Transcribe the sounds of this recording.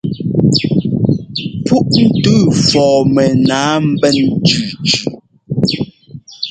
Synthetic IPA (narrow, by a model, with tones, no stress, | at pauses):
pu˦ʔn̩˦tʉː˦˨fɔː˨mɛ˨naː˨˦m̩˦bɛ˦nd͡ʒʉ˨d͡ʒʉ˨